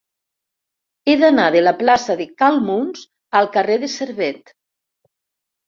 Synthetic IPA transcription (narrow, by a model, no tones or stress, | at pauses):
eðanaðəlaplasaðekalˠmunz̥ | əlˠkareðeseɾβɛt̪